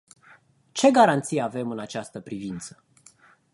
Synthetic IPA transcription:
t͡ʃe̞ɡaɾant̪sijeave̞mɨnat͡ʃast̪əpɾivint̪sə̥

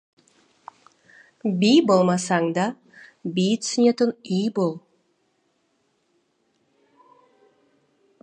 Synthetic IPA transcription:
bijbolˠmɑsɑŋd̪ɑ | bijt̪snʲet̪ənijbolˠ

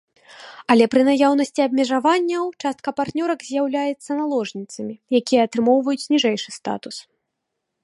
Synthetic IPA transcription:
ɐlʲɛpɾɨnajawnɐsʲt͡sʲiɐbʲmʲɛʐavanʲːɐwt͡ʂast̪̚kɐpart̪nʲɔɾɐɡzʲjawlʲajɛt̪sːɐnalˠɔʐnʲit̪sɐmʲijakʲijɐːt̪ɾɨmɔwvɐjut͡sʲnʲiʐɛjʂɨst̪a̰t̪us

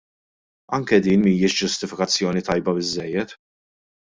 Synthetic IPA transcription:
ɐŋkɛd̪iːnmiːjɪʃd͡ʒʊst̪ɪfɪkɐt͡sːjɔːnit̪ɐjbɐbɪzːɛjːɛt̪

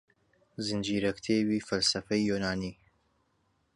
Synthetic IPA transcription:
zɨnd͡ʒiːɾɐkt̪ʰeːwiːfɐlsɐfɐjjuːnaːniː

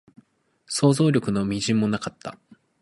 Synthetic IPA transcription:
so̞ːzo̞ːɾʲo̞kɯ̟no̞mʲiʑĩmːo̞nakat̪ːa̰

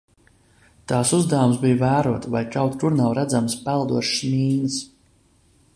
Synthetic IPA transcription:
t̪aːsuzd̪awumsbijvæːɾuɔt̪vajkawt̪kuɾnawɾæd̪zamspælˠd̪uɔʃmʲiːns

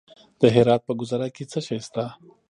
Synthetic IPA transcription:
d̪̥əɦeɾɑːt̪̚pəɡʊzaɾaket͡səʃajst̪a

